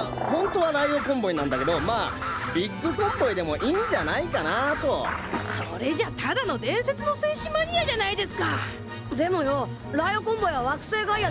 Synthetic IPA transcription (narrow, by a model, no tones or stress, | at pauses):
hõ̞nt̪o̞βaɾaiokõ̞mbo̞inãnd̪ake̞d̪o̞maː | bʲiɡːɯ̟kõ̞mbo̞id̪e̞mo̞ʔiːɲ̟d͡ʑanaikanat̪o̞so̞ɾe̞ʑat̪ʰad̪ano̞d̪ẽ̞ɰ̃se̞t͡sɨno̞se̞ːɕimaɲ̟iaʑanaid̪e̞sɨ̥ka | d̪e̞mo̞jo̞ | ɾaiokõmbo̞iβaβakɯ̟̥se̞ːɡaija